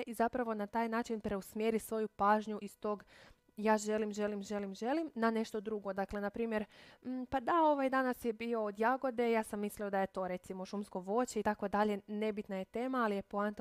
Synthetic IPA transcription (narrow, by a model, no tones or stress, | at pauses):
ʔizapɾaʋo̞nat̪aːjnaːt͡ʃinpɾe̞usmjeɾisʋo̞jupaːʒɲuʔist̪o̞ːɡ | jaːʒe̞limʒe̞limʒe̞limʒe̞limnane̞ʃt̪o̞d̪ɾuɡo̞d̪akle̞napɾiːmjeɾm̩pad̪ao̞ʋajd̪anasjebio̞ːd̪jaɡo̞d̪e̞jaːsamːislio̞d̪ajet̪o̞ɾe̞t̪simo̞ʃumsko̞ʋo̞t͡ɕeit̪akʋod̪aʎe̞ne̞bit̪naje̞t̪eːmaːlijepoant̪